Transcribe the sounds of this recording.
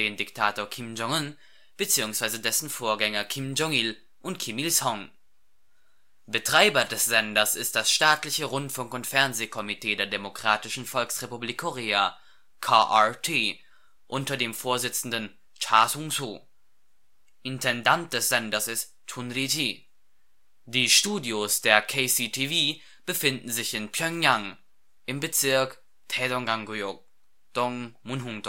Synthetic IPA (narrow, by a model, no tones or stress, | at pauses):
deːndɪktʰaːtoːɐkʰɪmd͡ʒɔŋən | b̥ət͡siːʊŋsv̥aɪzədɛsn̩foːɐɡɛŋɐkʰɪmd͡ʒɔŋil | ʔʊntkʰimilsɔŋ | b̥ətʁ̥aɪbɐdɛsz̥ɛndɐsɪst̚d̥asʃtaːtlɪçəʁʊntfʊŋkʊntfɛɐnzeːkʰɔmitʰeːdeːɐdemokʁ̥aːtɪʃn̩fɔlksʁepubliːkʰːoʁeːa | kʰaːʔatʰeː | ʔʊntɐdeːmfoːɐzɪt͡sn̩dən | t͡ʃaɐsʊŋsu | ʔɪntʰɛndant̚d̥ɛsz̥ɛndɐsɪs | tʰunɾitʰi | d̥iːʃtuːdjosd̥eːɐkʰesitʰiviː | b̥əfɪndn̩zɪçɪnpʰjœŋjaŋ | ʔɪmbət͡sɪɐk | tʰɛdɔŋɡaŋɡujo | d̥ɔŋmunɦuŋd